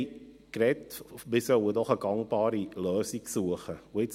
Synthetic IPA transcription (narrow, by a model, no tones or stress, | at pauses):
krɛtmɪsœwədɔχəɡɑŋb̥ɑːɾiløːsiksuəχəoɪt͡s